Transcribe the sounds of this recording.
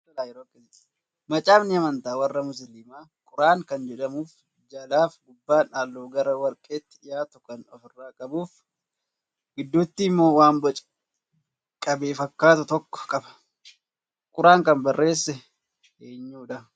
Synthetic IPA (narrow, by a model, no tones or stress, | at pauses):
laːjɪɾoːkːe | mɐt͡ʃʼaːbnɪɐmɐnt̪aːwɐrːɐmʊs̬ɪlɪmaːkʼʊɾaːŋkɐnd͡ʒɛᶑɐmuːf | d͡ʒɐlaːfɡʊbːaːnaːlːoːɡɐɾɐwɐɾkʼe̞ːt̪ːɪ̥jaːt̪ʊkɐnɔfɪrːaːkʼɐbuːf | ɡɪd̪ːuːt̪ːiːmːoːwaːmbɐt͡ʃʼ | kʼɐbe̞ːfɐkːaːt̪ʊt̪ɔkːɔ̥kʼɐbɐ̥ | kʼʊɾaːŋkɐnbɐrːʔe̞ːsːɛ | eːɲːuːᶑɐ